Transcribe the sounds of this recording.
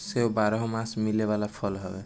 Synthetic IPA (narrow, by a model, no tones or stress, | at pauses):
seɦobaɾɔɦɔmãsmilebalapʰɔlɦɔbe